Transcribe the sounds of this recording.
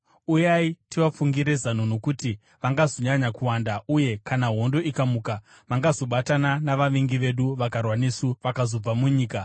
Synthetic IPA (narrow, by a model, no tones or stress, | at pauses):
ujaitiʋafuŋɡiɾe̞zanuno̞kuti | ʋaŋɡazo̞ɲaɲakuwandauje̞kanaɦo̞ndo̞ikamuːka | maŋɡazo̞ɓatananaʋaʋiŋɡiʋe̞ɗuʋakarwanesuʋakazo̞b͡vamuɲiːka